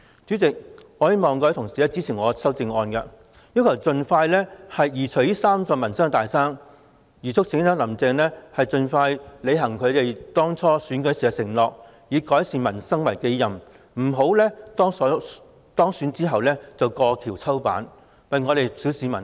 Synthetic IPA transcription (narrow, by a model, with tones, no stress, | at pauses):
t͡sy˨˥t͡sɪ˨k̚ŋɔː˨˧jmɔː˨ŋkɔː˧˥t̪ʰʊ˨˩ŋsi˨lɛː˥t͡si˥t͡sʰiː˨˩ŋɔː˨˧sɐ˥wt͡sɪ˧ŋɔː˧nkɐ˧ | jiː˥wkʰɐ˨˩wt͡sɵ˨nfaː˧jlɛː˥hɐ˨jjiː˨˩t͡sʰɵ˨˩ɥiː˥saː˥mt͡sɔː˧ŋmɐ˨˩nsɐ˥ŋ˧t̪aː˨jsaː˥ŋ | jiː˨˩t͡sʰʊ˥k̚sʰɪ˨˥ŋ˥t͡sɔː˧˥lɐ˨˩mt͡sɛː˨˧ŋlɛː˥hɐ˨jt͡sɵ˨nfaː˧jle˨˧jɦɐ˨˩ŋkʰɵ˨˧ɥt̪e˨jt̪ɔː˥ŋt͡sʰɔː˥syː˨˥nkɵ˨˥siː˨˩ɐ˧sɪ˨˩ŋlɔː˨k̚ | jiː˨˧kɔː˨˥jsiː˨˩nmɐ˨˩nsɐ˥ŋwɐ˨˩jke˨˥jjɐ˨m | m̩˨˩ɦo˨˥wlɛː˥t̪ɔː˥ŋsɔ˨˥ | t̪ɔː˥ŋsyː˨˥nt͡siː˥ɦɐ˨wlɛː˥t͡sɐ˨wkɔː˧kʰiː˨˩wt͡sʰɐ˥wpa̰ː˨˥n | wɐ˨jŋɔː˨˧ɾe˨jsi˨˥wsiː˨˧mɐ˨˩n